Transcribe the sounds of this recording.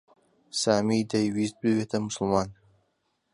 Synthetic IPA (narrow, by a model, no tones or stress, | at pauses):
saːmid̪ɐjwist̪̚bɨwet̪ʰɐmʊsɨlmaːn